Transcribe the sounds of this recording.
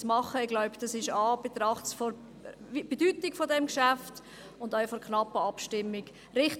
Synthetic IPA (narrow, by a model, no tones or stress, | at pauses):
mɑχəɪɡlaʊbd̥ɑsɪʃɑːb̥et̪ɾɑχtsfɔɾ | b̥edytɪkfɔdɛmkʃæft | ʊndœɪfɔɾkʰnɑpːəɑpʃtɪmːɪɡ | ɾɪχt